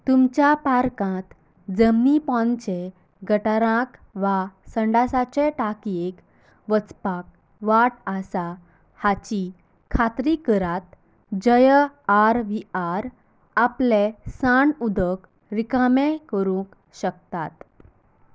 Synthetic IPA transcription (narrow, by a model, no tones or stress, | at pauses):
t̪umt͡ɕjapaɾkãt̪ | d͡zəmnipɔ̃nt͡ɕe | ɡəʈaɾãkʋasəɳɖasat͡ɕɛ̃ʈakiek | ʋət͡spak̚ | ʋaʈasa | hat͡ɕi | kʰat̪ɾikəɾat̪̚ | d͡ʑəjəaɾʋiaɾ | aplesaɳud̪ʱək | ɾikamɛ̃kəɾũk | ɕək̚t̪at̪